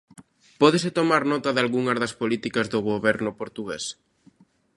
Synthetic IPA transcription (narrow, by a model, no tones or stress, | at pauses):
pɔðɪsɪt̪omaɾnɔt̪ɐðalɣuŋɐzðɐspolit̪ikɐzðoɣoβɛɾnʊpoɾt̪uɣḛs